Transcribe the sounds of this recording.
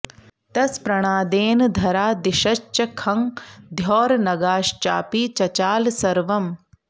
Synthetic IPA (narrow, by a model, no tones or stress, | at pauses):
t̪ɐspɾɐɽ̃aːd̪eːnd̪ʱɐɾaːd̪iʃɐt͡ʃːɐkʰɐŋd̪ʱjɔːɾnɐɡaːʃt͡ʃa̰ːpiːt͡ʃɐt͡ʃaːlsɐɾʋɐm